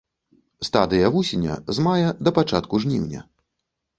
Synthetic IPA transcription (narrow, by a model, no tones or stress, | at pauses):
st̪a̰d̪ɨjɐvusʲɛnʲɐ̰zmajɐd̪ɐpat͡ʂat̪̚kuʐnʲḭwnʲɐ̰